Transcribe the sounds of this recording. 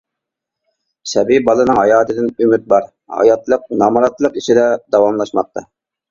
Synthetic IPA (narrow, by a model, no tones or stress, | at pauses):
sɛbibɑlˠɨnɨŋɦɑjɑːt̪ʰɨd̪ɪnymyt̪̚bɑɾ | hɑ̰jɑt̪lˠəq̚nɑmɾɑt̪lˠəqiʃid̪ɛd̪ɑwɑmlˠɑʃmɑq̚t̪ʰɑ